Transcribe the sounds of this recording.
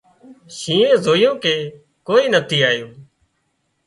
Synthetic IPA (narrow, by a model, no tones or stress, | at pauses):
ʃĩːẽːzoːɪjõːkeː | koːiːnət̪ʰiːaːjoː